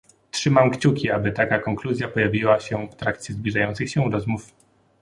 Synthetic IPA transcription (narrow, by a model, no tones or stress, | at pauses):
tʂɘmamkt͡ɕukʲiabɘt̪akakɔŋkluzʲjapɔjavʲiwaɕɛft̪ɾakt͡ɕʲjɛzblʲiʐajɔnt̪sɘxɕɛɾɔzmuf